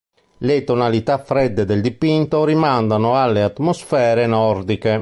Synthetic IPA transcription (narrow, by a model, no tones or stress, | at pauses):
let̪onalit̪afːɾɛd̪ːed̪ɛld̪ipint̪oɾimand̪anoalːeat̪ːmosfɛːɾenɔɾd̪ike